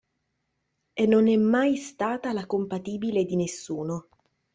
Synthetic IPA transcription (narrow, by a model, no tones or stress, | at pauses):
enːonɛmːajst̪aːt̪alakompat̪iːbiled̪inesːuːno